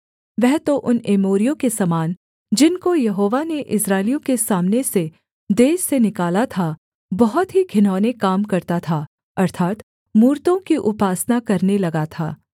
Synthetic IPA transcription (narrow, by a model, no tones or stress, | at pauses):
ʋɛɦt̪oʔʊneːmoːɾijõkesɐmaːn | d͡ʒɪnkojɐɦoːʋaneʔɪsɾaːɪlijõkesaːmnese | d̪eːʃsenɪkaːlat̪ʰa | bɐɦʊt̪ɦiɡʱɪnɔːnekaːmkɐɾt̪at̪ʰa | ɐɾt̪ʰaːt̪ | muːɾt̪õkiʔʊpaːsnakɐɾnelɐɡat̪ʰa̰ː